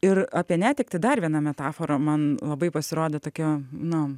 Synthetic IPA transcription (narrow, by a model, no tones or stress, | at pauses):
ɪrɑːpʲiɛnʲæːt̪ʲɪk̚t̪ɐɪd̪ɐrʋʲiɛnɑmʲɛt̪ɑːfoːɾɐmɐnlˠɐbɐɪpɐsʲɪɾoːd̪ʲeːt̪oːkʲonʊ